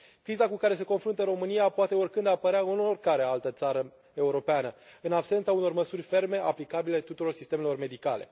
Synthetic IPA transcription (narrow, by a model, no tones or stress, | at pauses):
kɾizakukaɾe̞s̬e̞ko̞nfɾunt̪əɾo̞mɨniapoat̪e̞orkɨnd̪apəɾeaunorkaɾealt̪ət̪saɾə | e̞uɾo̞peanəɨnabse̞nt̪sauno̞rməsurʲfe̞rme̞ʔa̰plikabile̞t̪ut̪uɾo̞rsist̪e̞me̞lo̞rme̞d̪ikale̞̰